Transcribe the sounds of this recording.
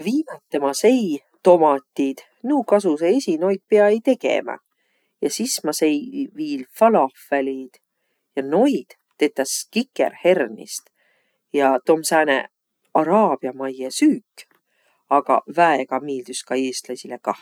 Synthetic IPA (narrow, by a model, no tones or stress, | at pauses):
viːmɑt̪ːemɑsej | t̪o̞mɑt̪ʲːˑid̪̥ | nuːkɑsuseesʲino̞jk̪̚peɑejt̪e̞ɡ̥ḛmɑ̰ | jɑsismɑsejviːlfɑlɑfælʲid̪̥ | jɑno̞jd̪̥ | t̪e̞t̪ːɑskikːḛrhe̞rnḭst̪ | jɑt̪omsæːnḛ | ɑɾɑːb̥iɑmɑjesyːkːˑ | ɑɡ̥ɑ̰væeɡ̥ɑmiːld̪̥yskɑeːst̪lɑsʲilekɑh